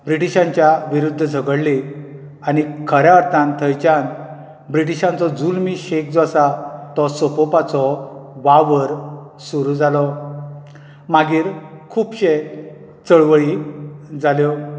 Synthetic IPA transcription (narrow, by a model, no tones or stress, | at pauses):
bɾiʈiɕãɲt͡ɕjaʋiɾud̪ʱːəd͡zʱəɡəɽli | añikʰəɾjaəɾt̪ʰãnt̪ʰəjt͡ɕan | bɾiʈ̬iɕãnt͡sɔd͡zulmiɕek̚d͡zɔsat̪ɔsopopat͡sɔʋaʋəɾ | suɾud͡zalɔ | maɡiːɾkʰuːpɕe | t͡səɭʋəɭid͡zaljɔ